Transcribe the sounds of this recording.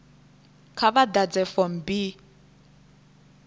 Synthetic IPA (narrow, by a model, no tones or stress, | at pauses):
kʰaβadad͡zɛfɔm̩bi